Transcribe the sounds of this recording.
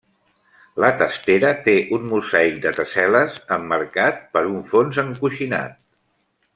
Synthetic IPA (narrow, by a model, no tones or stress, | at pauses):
lət̪əst̪eɾət̪eʔunmuzaik̚d̪ət̪əsɛləzəmːəɾkat̪̚pəɾuɱfonzəŋkuʃina̰t̪̚